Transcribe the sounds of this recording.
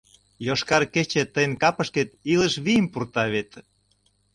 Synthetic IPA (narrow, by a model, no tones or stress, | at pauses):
joʃkɑrket͡ɕet̪əjənkɑpə̆ʃket̪ilə̆ʃβijəmpurt̪ɑβet̪